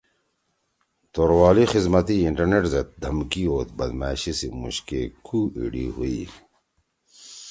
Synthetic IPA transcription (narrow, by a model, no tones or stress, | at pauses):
t̪oɾwaːlixizmɐt̪iiɳʈɐɾneʈzɐt̪̚d̪ʱɐmkioːt̪̚bɐd̪maːɕisimṵɕkekʰuḭɖḭɦuḭ